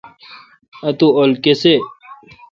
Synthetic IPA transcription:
ɐt̪uolkese

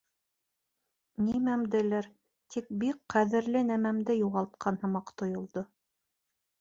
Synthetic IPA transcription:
nimæmd̪ɘ̆læɾ | t̪ʰik̚bikqæðɘ̆ɾlɘnæmæmd̪ɘjuʁɑlˠt̪̚qʰɑnhɤ̆mɑqt̪ŏjŏlˠd̪o

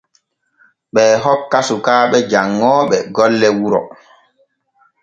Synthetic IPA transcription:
ɓɛːɦɔkːasukaːɓɛd͡ʒaŋːɔːɓɛɡɔlːɛwuɾɔ̰

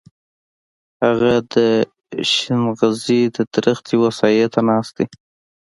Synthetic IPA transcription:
haɣad̪ə | ʃɪnɣazid̪əd̪ɾəxt̪iwasɑjt̪ʰanɑst̪i

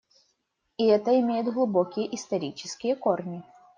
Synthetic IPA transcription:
iɛt̪əɪmʲejɪd̪ɣlˠʊbɔkʲɪjəʔist̪ɐɾʲit͡ɕɪ̥skʲɪjəkɔrnʲi

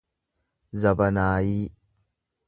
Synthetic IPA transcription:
zɐbɐnaːji

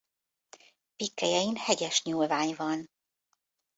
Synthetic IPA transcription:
pikːɛjɛjinhɛɟɛʃɲuːlvaːɲvɒn

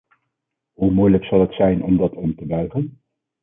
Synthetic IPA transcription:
ɦumujləksɑlˠɦətsɛjnʔɔmdɑtʰɔmtəbœɥχən

